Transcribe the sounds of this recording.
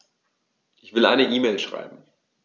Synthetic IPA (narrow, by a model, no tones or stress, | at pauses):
ʔɪçv̥ɪlʔa̰ɪnəʔiːmeːlʃʁ̥a̰ɪbm̩